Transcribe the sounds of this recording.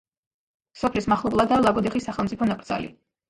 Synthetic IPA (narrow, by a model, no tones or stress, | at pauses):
sɔpʰlismaχlˠublˠad̪alˠaɡɔd̪iχisːaχɛlˠmtsʼipʰɔnapʼɾd̪zʼa̰lḭ